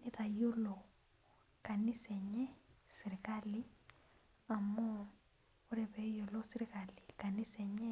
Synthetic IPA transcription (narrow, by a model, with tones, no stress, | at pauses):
i˦ða˨ju˦lo˨ | ka˨ni˦sɛ˨ɲɛ˦si˨ɾi˨kali˦ | a˨mo˦ | u˦ɾɛβɛ˨jo˨lo˦si˦ɾi˦kali˨ka˨ni˦sɛɲɛ˦